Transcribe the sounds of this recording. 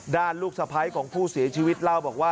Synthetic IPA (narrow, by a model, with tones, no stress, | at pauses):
daː˥˩nluː˥˩k̚sa˧pʰa˦˥jkʰɔː˩˦ŋpʰuː˥˩si˨˩˦t͡ɕʰiː˧wi˦˥t̪̚la˥˩wbɔː˨˩k̚waː˥˩